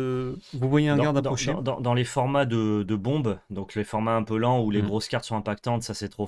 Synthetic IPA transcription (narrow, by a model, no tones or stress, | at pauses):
vuvwajeɛ̃dɡaʁd̪apd̪ɔʃd̪ɑ̰̃d̪ɑ̃lefɔʁmad̪əd̪əbɔ̃bd̪ɔ̃klefɔʁmaɛ̃pølɑ̃uleɡʁoskʲaʁt̪sɔ̃ɛ̃pak̚t̪ɑ̃t̪sasɛt̪χo